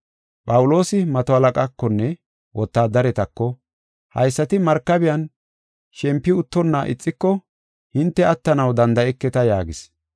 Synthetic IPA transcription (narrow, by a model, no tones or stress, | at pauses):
pʼɐwʊlo̞ːsɪmɐt̪ɔhɐlɐkʼakːɔnːɛ | wɔt̪ːaːd̪ɐɾɛt̪ɐkːɔ | hɐ̰jsːɐt̪ɪmɐɾkːɐbɪjɐn | ʃɛmpːɪʊt̪ːɔnːɐʔɪ̰t͡sʼːɪkːɔ | hɪnt̪ːɛɐt̪ːɐnɐwd̪ɐnd̪ɐɛkːɛt̪ɐjaːɡɪs